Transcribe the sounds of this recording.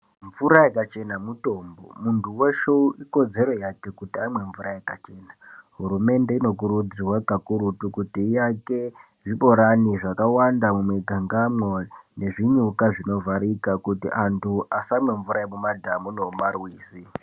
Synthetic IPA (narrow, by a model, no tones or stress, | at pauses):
ɱvuɾajekat͡ʃe̞namuto̞ːmbo̰muntʰuwoʃouʔiko̞d͡ze̞ɾo̞jake̞kutiamwe̞ɱvuɾajekat͡ʃe̞ːnaɦuɾume̞nde̞ino̞k̬uɾud͡zirwaɡʱakuɾutukutiːjake̞ | ʐiɓo̞ɾaniʐakawandamumweɡʱaŋɡamone̞ʐiɲukaʐino̞vaɾikakutḭʔantʰuʔasamwe̞ɱvuɾaemumadʱamunomarwiːsi